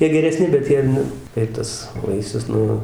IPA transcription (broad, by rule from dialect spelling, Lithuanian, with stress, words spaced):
ˈjiɛ ɡʲɛrʲɛˈsʲnʲɪ bʲɛt ˈjiɛ nʊ ɪr ˈtɐs ˈʋɐɪsʲʊs ˈnʊ